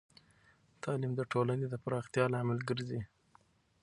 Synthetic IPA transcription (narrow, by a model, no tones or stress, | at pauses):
t̪ʰɑlimd̪əʈʰolaned̪əpɾɑxt̪jɑlɑmalɡəɾzi